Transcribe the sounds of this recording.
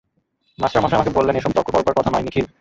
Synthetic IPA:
masɾamaʃamakebolːeneʃɔb̚t̪ɔkʰːopɔɾbaɾkɔt̪ʰanɔjnikʰi

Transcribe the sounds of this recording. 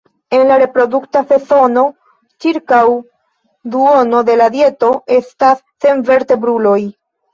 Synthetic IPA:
e̞nlaɾe̞pɾo̞duktafe̞so̞no̞ | t͡ʃiɾkaw | d̪uono̞d̪e̞lad̪je̞to̞e̞stasːe̞nve̞ɾte̞bɾulo̞j

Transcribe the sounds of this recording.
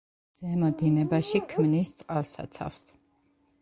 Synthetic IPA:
z̥ɛmɔd̪inɛbaʃikʰmnist̪sʼqʼalˠsa̰t̪sʰa̰fs

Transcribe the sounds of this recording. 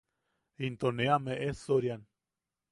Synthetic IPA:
int̪oneameʔesoɾjan

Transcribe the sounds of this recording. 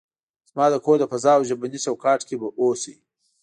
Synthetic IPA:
zmɑːd̪əkʰoɾd̪əpɐzɑːwʒabanisawkɑːʈkebaʔosi

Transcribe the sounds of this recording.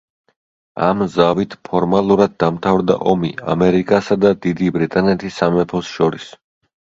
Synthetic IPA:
a̰mzavit̪ʰpʰɔɾmalˠuɾad̪̚ːamt̪ʰavɾd̪a̰ʔɔmia̰mɛɾikʼasad̪ad̪id̪ibɾit̪ʼanɛt̪ʰisːamɛpʰɔsʃɔɾis

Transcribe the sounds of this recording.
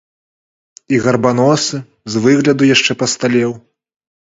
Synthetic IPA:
iɣɐrban̪ɔsɨ | zvɨɣlʲɐd̪ujaʂt͡ʂɛpɐst̪alʲɛw

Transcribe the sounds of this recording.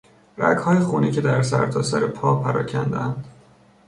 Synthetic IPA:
ɾæ̰ɡhɒːjexuːniːcʰe̞d̪æɾsæ̰ɾt̪ʰɒːsæɾepʰɒːpʰæɾɒ̰ːcʰænd̪eænd̪̥

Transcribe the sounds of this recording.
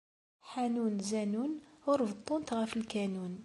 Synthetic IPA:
ħænunzænunʊɾvt̪ˤːʊnt̪ɣæfəlkænun

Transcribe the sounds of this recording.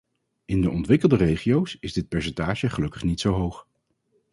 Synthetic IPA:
ɪndəʔɔntʋɪkəlˠdərejχiowsɪzdɪt̚pɛɹs̬ɛntaːʒəχəlɵkəχnitsowɦowχ

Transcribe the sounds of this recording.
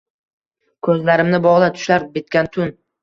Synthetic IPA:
kʰɵzlaɾɪmnɪbɒʁlˠat̪ʰʊ̥ʃlaɾbʲet̪̚kʲant̪ʰʊn

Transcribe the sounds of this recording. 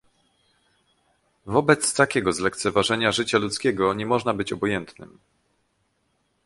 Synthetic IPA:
vɔbɛt̪st̪akʲɛɡɔzlɛk̚t̪sɛvaʐɛɲaʐɘt͡ɕalut̪skʲɛɡɔɲɛmɔʐnabɘt͡ɕɔbɔjɛnt̪nɘm

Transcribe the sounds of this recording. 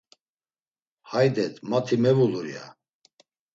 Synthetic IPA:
hajd̪ɛt̪ʰʼmat̪ʰimɛvuluɾia̰

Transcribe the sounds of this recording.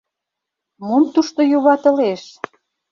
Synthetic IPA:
momt̪uʃt̪ojoβɑt̪ə̆leʃ

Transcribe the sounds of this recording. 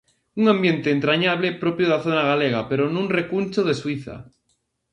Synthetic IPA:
uŋãmbjẽnt̪eːnt̪ɾaɲaβlepɾopjoðaθonaɣ̞aleɣ̞apeɾonũnrekunʲt͡ʃoðeswiθa̰

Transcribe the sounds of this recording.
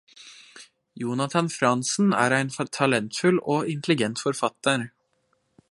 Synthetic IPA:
juːnɑt̪ʰɑnfɾɑnsn̩æ̰ːɾæɪnft̪ʰɑlɛnt̪fʉloːɪnt̪ʰlɪɡɛnt̪fɔɾfɑt̪ːəɾ

